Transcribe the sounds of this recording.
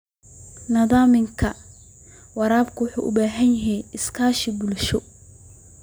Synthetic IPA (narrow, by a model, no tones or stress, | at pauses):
nɐðaːmɪŋkʰɐ | wɑɾaːbkʰʊwʊħṵːʔʊ̰baːɦɐnjɐɦɛjɪskʰaːʃɪbʊlʃɔ